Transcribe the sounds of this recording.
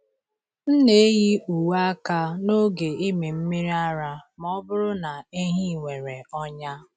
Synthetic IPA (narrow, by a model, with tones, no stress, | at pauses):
n̩˦ne˨˦ɣi˦u˨wa˦ka˦no˦ɡe˨i˦me˨m̩˦mi˦ɾi˦a˦ɾa˦mɔ˦bʊ˦ɾʊ˦na˨e˦ɦi˦˨ŋʷe˨ɾe˨ɔ˦ɲa˦